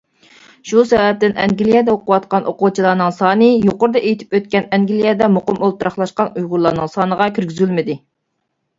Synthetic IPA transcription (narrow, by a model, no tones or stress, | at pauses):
ʃusɛvɛp̚t̪ɪnʔɛ̰ŋɡʲilijɛd̪ɛoqʊwɑt̪̚qɑnʔoqut͡ʃʰilˠɑnɨŋsɑːnɨjoqʊɾd̪ɑʔejt̪ʰy̥pøt̪̚kʲɛnɛŋɡʲilijɛd̪ɛmoqʊmolˠt̪uɾɑχlˠɑʃqɑnujʁʊɾlˠɑːnɨŋsɑːnəʁɑkʲʰyɾɡʲyzylmɪd̪ɪ